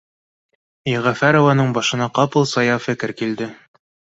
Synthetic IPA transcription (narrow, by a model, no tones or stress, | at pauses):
iʁæfæɾŏvɑnɤɴbɑʃɤ̆nɑqɑpɤlˠsɑjɑfɘ̆kɘ̆ɾkild̪ɘ